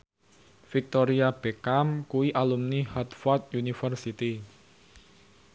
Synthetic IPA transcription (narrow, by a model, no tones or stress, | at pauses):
fik̚t̪oɾiab̥ekamkuwiʔalumnihɔt̪fɔrt̪̚junifərsit̪i